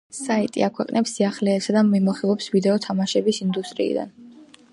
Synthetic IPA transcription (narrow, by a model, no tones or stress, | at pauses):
sait̪ʼiakʰwɛqʼnɛpsːiaχlɛːsad̪amimɔχilˠɔpsvid̪ɛɔt̪ʰamaʃɛbisind̪ust̪ʼɾḭḭd̪a̰n